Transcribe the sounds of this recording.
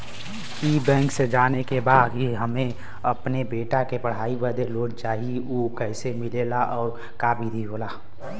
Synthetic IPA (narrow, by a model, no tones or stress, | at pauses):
iːbɛ̃ːŋksed͡ʒaːnekebaːd̪ɦiɦəmẽ | ɐpnebeːʈakepəɽ̤aːibəd̪ʱeloːʈt͡ʃaːɦioːkɛɪsemɪleːlaʔɔːɾ | kaːbʱid̪ʱiboːlaː